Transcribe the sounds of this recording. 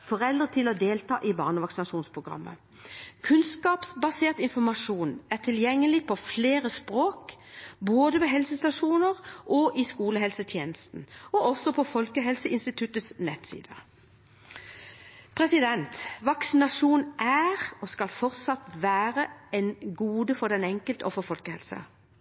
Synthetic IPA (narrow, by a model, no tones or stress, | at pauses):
fɔʁɛld̪ʁət̪ʰɪlɔd̪eːlt̪ʰɑ̰ːʔɪbɑ̰ːʁnəʋɑksɪnɑʂuːnspʰʁʊɡʁɑ̰mːə̰ | kʰʉnskɑːpsbɑseːʁt̪ɪnfɔʁmɑʂuːnæʁt̪ʰɪljɛŋːəlɪpʰɔfleːʁəspʁoːkboːd̪əʋɛɦɛlsəst̪ɑʂuːnəʁʔɔʔɪskuːləɦɛlsət̪ʰjeːnəst̪n̩ɔɔsɔpʰɔfɔlkəɦɛlsəɪnst̪ɪt̪ʰʉt̪ːəsnɛt̪sḭːd̪əʁ | pʰʁɛsɪd̪ɛnt̪ʋɑksɪnɑʂuːnʔæʁɔskɑlfɔʁt̪sɑt̪ʋæːʁəɛnɡuːd̪əfɔʁd̪ɛnɛŋkəlt̪əɔfɔfɔlkəhɛ̰lsə̰